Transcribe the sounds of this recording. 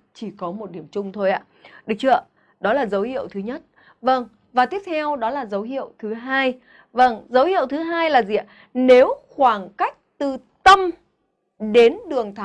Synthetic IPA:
t͡ɕi˧˩kɔ˨˦mo˨˩t̚ɗi˧˩əmt͡ɕʊ˧ŋ͡mt̪ʰo˧jʔa̰ː˧˩ɗɨ˨˩ək̚t͡ɕɨ˧˩ə˧˩ | ɗɔ˨˦laː˨˩zə˨˦whḭ˧˨əwt̪ʰɨ˨˦ɲə˦˥t̚ | və˧˩ŋ | vaː˨˩t̪i˦˥əp̚t̪ʰɛ˧wɗɔ˨˦laː˨˩zə˨˦wɦḭ˧˨ə˨wt̪ʰɨ˨˦ɦaː˧j | və˧˩ŋzə˨˦whḭ˧˨ə˨wt̪ʰɨ˨˦ɦaː˧jlaː˨˩zi˨ʔaː˧˩ | ne˨˦wxwaː˧˩ŋka˦˥jk̟̚t̪ɨ˨˩ | t̪ə˧m | ɗe˨˦nɗɨ˨˩əŋt̪ʰa˨˦

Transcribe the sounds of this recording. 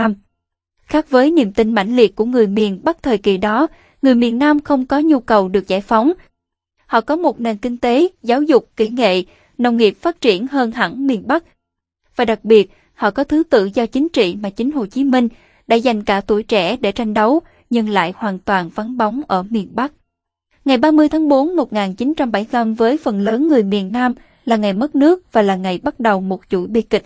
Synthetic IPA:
m | xaː˦˥k̚vəː˨˦jnḭ˧˨əmt̪ï˧ŋ̟ma̰˧˩jŋ̟lḭ˨˩ət̚ku˧˩əŋɨ˨˩əjmi˨˩ənɓa˦˥k̚t̪ʰəː˨˩jkḭ˧˨ɗɔ˨˦ | ŋɨ˨˩əjmi˨˩ənːaː˧mxə˧wŋ͡mkɔ˨˦ɲu˧kə˨˩wɗɨ˨˩ək̚zaː˧˩jfa˨˦wŋ͡m | hɔ̰˧˨kɔ˨˦mo˨˩t̚ne˨˩nkï˧ŋ̟t̪e˨˦zaː˨˦wzʊ˨˩k͡p̚ki˧˩ŋḛ˧˨ | nə˧wŋ͡mŋi˨˩əp̚faː˦˥t̚t͡ɕi˧˩ənɦəː˧nɦa̰˧˥ŋmi˨˩ənɓa˦˥k̚ | vaː˨˩ɗa˨˩k̚ɓi˨˩ət̚ | hɔ̰˧˨kɔ˨˦t̪ʰɨ˨˦t̪ɨ̰˧˨zɔ˧t͡ɕï˨˦ŋ̟t͡ɕḭ˧˨maː˨˩t͡ɕï˨˦ŋ̟ho˨˩t͡ɕi˨˦mï˧ŋ̟ | ɗa̰ː˧˥za˨˩jŋ̟kaː˧˩t̪u˧˩jt͡ɕɛ˧˩ɗe˧˩t͡ɕa˧jŋ̟ɗə˨˦w | ɲɨ˧ŋla̰ː˧˨jhwaː˨˩nt̪waː˨˩nfa˨˦nɓa˨˦wŋ͡mʔəː˧˩mi˨˩ənɓa˦˥k̚ | ŋa˨˩jɓaː˧mɨ˧əjt̪ʰaː˨˦ŋɓo˨˦nmo˨˩t̚ŋaː˨˩nt͡ɕi˨˦nt͡ɕa˧mɓa˧˩jlə˧mvəː˨˦jfə˨˩nləː˨˦nŋɨ˨˩əjmi˨˩ənːaː˧m | laː˨˩ŋa˨˩jmə˦˥t̚nɨ˦˥ək̚vaː˨˩laː˨˩ŋa˨˩jɓa˦˥t̚ɗə˨˩wmo˨˩t̚zṵ˧˩jɓḭ˧kï̟˨˩

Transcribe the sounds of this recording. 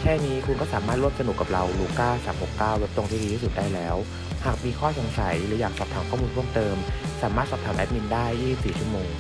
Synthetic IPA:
kʰɛː˥˩niː˦˥kʰu˧nkɔː˥˩saː˩˦maː˥˩ɾu˥˩əmsa˧nu˨˩kːa˨˩p̚ɾa˧wluː˧kaː˥˩saː˩˦mho˨˩kːaː˥˩we˦˥p̚t̪o˧ŋt̪ʰiː˥di˧t̪ʰiː˥su˨˩t̪̚daː˥˩jlɛː˦˥w | haː˨˩k̚miː˧kʰɔː˥˩so˨˩˦ŋsa˨˩˦jɾɯ˩˦jaː˨˩k̚sɔː˨˩p̚t̪ʰaː˩˦mkʰɔː˥˩mu˧npʰəmt̪ɤː˧msaː˨˩˦maː˥˩t̪sɔː˨˩p̚t̪ʰaː˩˦mʔɛ˦˥p̚mi˧ndaː˥˩jːiː˥˩si˨˩p̚siː˨˩t͡ɕʰu˥˩əmoː˧ŋ

